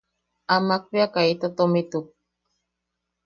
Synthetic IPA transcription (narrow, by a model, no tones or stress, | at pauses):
amak̚piakait̪at̪omit̪uk̚